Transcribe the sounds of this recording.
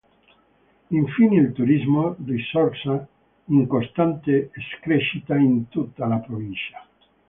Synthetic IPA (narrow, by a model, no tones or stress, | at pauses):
iɱfinelt̪uɾizmodisɔɾsa | iŋkost̪ant̪eeskɾeʃit̪aint̪ut̪ːalapɾovinʃja